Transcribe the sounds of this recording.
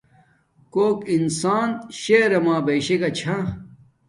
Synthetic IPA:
koːkinsaːnɕeɾɐmaːbɐjɕekɐt͡ɕʰa

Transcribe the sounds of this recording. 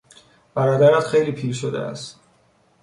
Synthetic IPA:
b̥æɾɒːd̪æɾæt̪χe̞jliːpʰiːɾʃod̪ḛæ̰st̪

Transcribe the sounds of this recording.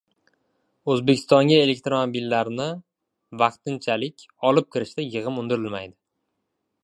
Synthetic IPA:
ɵzbekʲʰɪ̥st̪ɒŋɡʲae̞le̞k̚ʲt̪ɾomobilːaɾnɪ | vɑqt̪ɪnt͡ʃʰalɪkʲ | ɒlˠɪp̚kʲʰɪɾɪʃt̪ajɨʁɨmʊnd̪ɪɾɪlmajd̪ɪ

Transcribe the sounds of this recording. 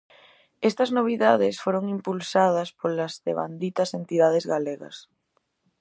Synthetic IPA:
est̪ɐznoβ̞iðaðesfoɾoŋimpulsað̞ɐspolɐzðḛβa̰nd̪it̪ɐsent̪iðað̞ezɣaleɣɐ̰s

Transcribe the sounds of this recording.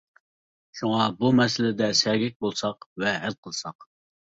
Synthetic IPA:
ʃuŋɑbumɛsɪlɪd̪ɛsɛɡʲɪk̚ʲbolˠsɑqvɛɦælqʰəlˠsɑq

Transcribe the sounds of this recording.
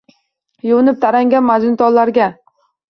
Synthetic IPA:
jʊwnɪp̚t̪ʰaɾaŋɡʲanmad͡ʒ̪ɪnt̪ʰɒllːaɾɡʲa

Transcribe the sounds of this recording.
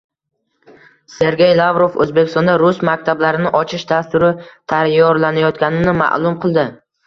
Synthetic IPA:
se̞ɾɡʲe̞jlˠavɾo̞fɵ̰zbekʲɪst̪ɒnd̪aɾʊsmakʲt̪ʰablaɾɪnɪʔɒt͡ʃʰɪʃd̪ast̪ʊɾɪt̪ʰajɒɾlanajɒt̪kʲanɪnɪma̰ʔlˠʊmqʰɨlˠd̪ɪ

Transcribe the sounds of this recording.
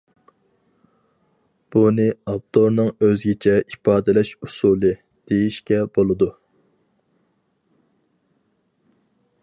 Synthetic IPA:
b̥unɨɑp̚t̪oɾnɨŋøzɡʲɪt͡ʃʰɛʔipɑːd̪ɛlɛʃusulˠɨ | d̪̥ejiʃkʲɛbolˠɨd̪u

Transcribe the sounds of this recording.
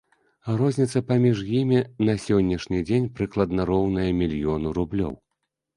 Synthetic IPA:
rɔzʲnʲit̪sɐpamʲiʐjimʲinɐsʲɔnʲːɐʂnʲid͡zʲenʲpɾɨklˠɐd̪nɐɾɔwnɐjɐmʲilʲjɔnuɾublʲɔ̰w

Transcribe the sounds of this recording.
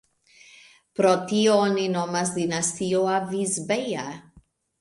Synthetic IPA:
pɾɔt̪ioninɔmasd̪inast̪ioavizbeja

